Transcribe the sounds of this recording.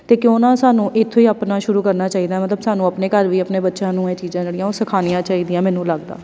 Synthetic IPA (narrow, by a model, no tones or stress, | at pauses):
t̪eːkɪõːnãːsaːnũːʔɪt̪ʰːoːiːəpnaːʃʊɾuːkəɾnaːt͡ʃaːiːd̪aːmət̪ləbsaːnũːəpneːkəɾʋiːəpneːbətːʃãːnũːeːt͡ʃiːzãːd͡ʒəɽɪijãːoːsəkʰaːnijãːt͡ʃaːiːd̪ijãːmɛːnũːləɡd̪a̰ː